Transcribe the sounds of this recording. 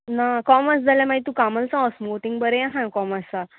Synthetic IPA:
nakɔməsd͡zalamait̪ũkaməlt͡sãəsmoʈ̪iŋɡbəɾeãɦãkɔməst͡sa

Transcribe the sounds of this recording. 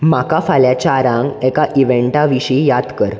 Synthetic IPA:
makafaljat͡ɕaːɾãŋɡɛkaʔiʋeɳʈaʋiɕijad̪kəɾ

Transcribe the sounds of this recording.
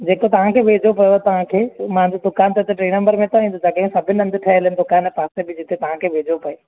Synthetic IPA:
d͡ʑeːkot̪ɐʋ̤ãkʰeːʋʱeːd͡ʑopɐjot̪ɐʋ̤ãkʰeːmãɲd͡ʑod̪ʊkaːnt̪ɐɪt̪eʈɾeːnɐ̃mbəɾmẽt̪oĩːnd̪od͡ʑɐɠ̃sɐbʱɪnɪ̆ɐ̃nd̪ɪʈʰɐɦɪlnɪ̆d̪ʊkaːnɛpaːsebɪd͡ʑɪt̪et̪ɐʋ̤ãkʰeːʋʱeːd͡ʑopɐe

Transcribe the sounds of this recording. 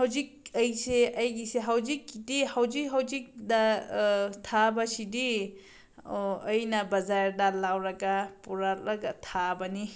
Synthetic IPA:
hawzik̚əjseɐjɡiseɦawzikːidihawzik̚ɦawzik̚da | tʰabasidi | jnɐbɐzaɾdalawɾɐɡapuɾaɾaɡatʰabɐni

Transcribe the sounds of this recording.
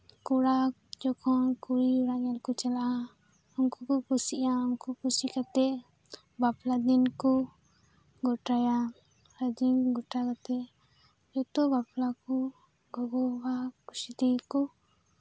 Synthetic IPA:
kuɽa | d͡ʒɔkʰɔnkuɾiɾaʔalkɔt͡ʃalaʔa | uŋkukɔkusiʔauŋkukusikat̪ɛʔ | baplad̪inku | ɡɔʈaja | ɾəd͡ʒiŋɡɔʈakat̪ɛ | d͡ʒɔt̪ɔbaplaku | ɡɔɡɔbakusid̪ikɔ

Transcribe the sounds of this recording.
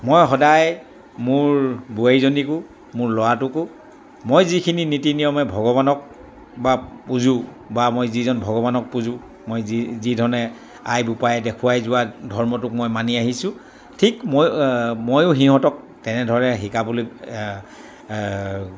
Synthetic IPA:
mojɦɔdaj | mʊɹbuejzonikʊ | mʊɹlɔwatʊkʊ | mojzikʰininitinijɔmɛbʱɔɡɔβanɔk̚ | bapuzũ | bamojzizɔnbʱɔɡɔbanɔk̚puzʊ̃ | mojizidʱɔnɛ | ajbupajɛdɛkʰʊwajzʊwadʱɔɹmɔtʊkmojmaniaɦisʊ̃ | tʰikmmojʊɦiɦɔtɔk̚ | tɛnɛdʱɔɹɛɦikabulo

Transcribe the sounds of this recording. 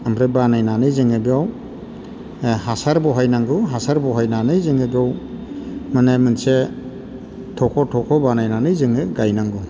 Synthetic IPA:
amɾɯbanajnanɯzɯŋɯbiaw | ɦasaɾbɔɦajnaŋɡuɦasaɾbɔɦajnanɯjzɯŋɯbiaw | manemɯnse | tʰɔkʰɔtʰɔkʰɔbanajnanɯjzɯŋɯɡajnaŋɡu

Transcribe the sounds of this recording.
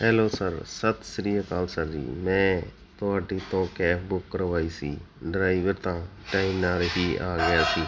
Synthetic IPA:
ɦɛːlosəɾsət̪ʰsɾijəkaːlsəɾd͡ʒḭːmɛ̃ː | t̪oaːʈit̪õːkeːbʊkːəɾʋaːiːsḭː | ɖɾaːiʋɪɾt̪ãː | ʈaːinaːɾɦiːa̰ːɡəjaːsiː

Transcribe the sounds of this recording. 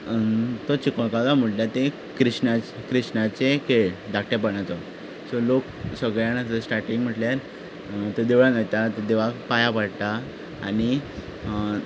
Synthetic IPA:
t̪ɔt͡ɕikɔɭkalam̤əʈljat̪ẽ | kɾiɕnat͡ɕkɾiɕnat͡ɕekeɭd̪akʈep̬əɳat͡sɔ | sɔlok | səɡɭjañassʈaɾʈiŋɡm̤əʈljaɾ | t̪ed̪eʋɭãɡajt̪at̪ed̪eʋakpajapaɽt̪a̰ː | ñi

